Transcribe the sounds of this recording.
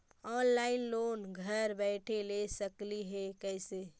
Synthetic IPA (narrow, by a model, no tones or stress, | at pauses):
ɔnlaɪnlonɡʱəɾbɛɪʈʰelesəkliɦekəɪse